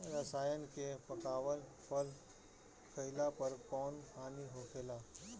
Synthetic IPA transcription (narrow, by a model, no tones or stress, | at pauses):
ɾɐsaːjənkepɐkaːʋəlpəl | kʰɐɪlapɐɾkɔːnkʰaːniɦoːkʰeːlaː